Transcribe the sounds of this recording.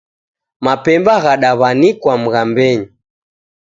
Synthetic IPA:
mapɛmbaɣaɗaβanikwam̩ɣambɛɲi

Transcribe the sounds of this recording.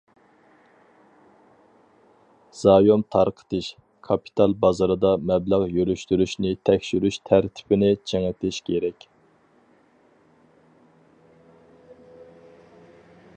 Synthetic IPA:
z̥ɑjomt̪ʰɑɾqʰə̥t̪ɨʃ | kʰɑpʰi̥t̪ʰɑlˠbɑzɑɾɨd̪ɑmɛblæʁjøɾyʃt̪yɾyʃnɪt̪ʰɛkʲʃyɾyʃt̪ʰæɾt̪ʰɪ̥pɪnɪt͡ʃʰeŋɪt̪ʰɪʃkʲʰeɾɛkʲ

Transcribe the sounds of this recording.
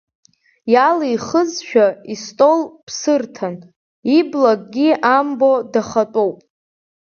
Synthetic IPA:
jalijχəzʃᶣaistʼo̞lpʰsɨrtʰan | iblaɡʼɡʲiambo̞daχatʼowpʼ

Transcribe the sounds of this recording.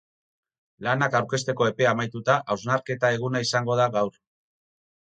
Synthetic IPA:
lanakawɾke̞s̬t̪e̞ko̞e̞pe̞amajt̪ut̪aʔawznaɾke̞t̪ae̞ɣ̞unaisaŋɡo̞ð̞aɣawɾ

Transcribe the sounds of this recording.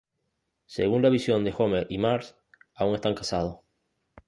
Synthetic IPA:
sḛɣunlaβisjo̞nd̪e̞xo̞meɾʔimaɾs | auŋe̞st̪aŋkasað̞o

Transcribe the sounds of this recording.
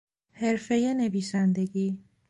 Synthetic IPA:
he̞ɾfe̞jene̞viːsænd̪e̞ɡiː

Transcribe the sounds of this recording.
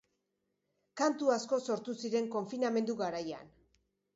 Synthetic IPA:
kant̪uasko̞so̞ɾt̪usiɾe̞ŋko̞ɱfiname̞nd̪uɣaɾaja̰n

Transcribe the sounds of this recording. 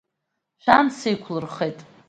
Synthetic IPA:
ʃʷᶣansejkʷʰlɨrχejtʼ

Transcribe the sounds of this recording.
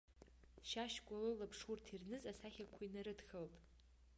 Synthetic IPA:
ʃaʃkʷʼalɨlapʰʂurtʰirnɨzasaχʲakʷʰainaɾɨdxəltʼ

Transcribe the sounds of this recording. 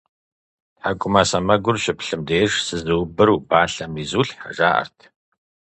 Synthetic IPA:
tħaːkʷʼʊmɐsɐmɐɡʷʊrɕɪpɬɨmdeːʒsɨzɨwbɨɾuːbaːɬɐmizuːɬħa̰ʒaːʔɐ̰rtʰ

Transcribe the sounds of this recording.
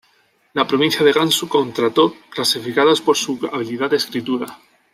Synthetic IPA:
lapɾo̞β̞ĩn̟θjaðe̞ɣansuko̞nt̪ɾat̪oklasifikaðaspo̞ɾsua̰β̞iliðaðeskɾit̪uɾa

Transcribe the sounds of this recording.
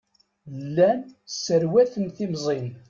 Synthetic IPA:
lːænsːəɾwæθənθimzˤin

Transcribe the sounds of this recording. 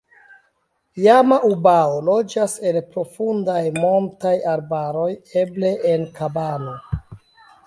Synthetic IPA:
jamaʔubaolo̞d͡ʒase̞npɾo̞fundajmo̞mtajaɾbaɾo̞je̞ble̞ʔenkabano̞

